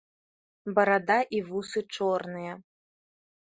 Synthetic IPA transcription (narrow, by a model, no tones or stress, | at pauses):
bɐɾad̪aʔivusɨt͡ʂɔrnɨjɐ